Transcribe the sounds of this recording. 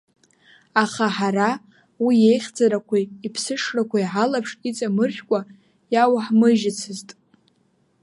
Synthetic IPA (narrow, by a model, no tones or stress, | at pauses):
aχaħaɾa | wije̞jχʲd͡zaɾakʷʰaipʰsɨʂrakʷʰajʕalapʰʂʼit͡sʼamɨrχʲkʷʼa | jawaħmɨʒɪt͡sʰɨztʼ